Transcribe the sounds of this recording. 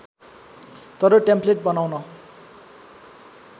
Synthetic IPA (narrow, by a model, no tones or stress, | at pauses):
t̪ʌɾʌʈempleʈ̚bʌnawnʌ